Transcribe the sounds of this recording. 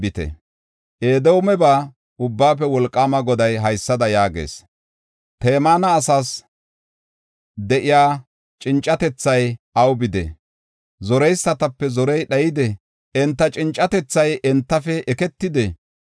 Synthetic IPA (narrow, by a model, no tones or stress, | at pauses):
bɪt̪ɛ̰ | ʔeːd̪ɛwʊmɛbaː | ʊbːaːp̬ɛwɔlkʼːaːmɐɡɔd̪ɐjɦɐjsːɐd̪ɐjaːɡḛːs | t̪eːmaːnɐːsaːs | d̪ɛʔɪjaː | t͡ʃʼɪnt͡ʃʼːɐt̪ɛt͡sːɐjɐwbɪd̪ɛ̰ | zɔɾɛjsːɐt̪ɐpːɛzɔɾɛjɗɐjɪd̪ɛ | ɛnt̪ːɐt͡ʃʼɪnt͡ʃʼːɐt̪ɛt͡sːɐjʔɛnt̪ːɐfɛʔɛkɛt̪ːɪd̪ɛ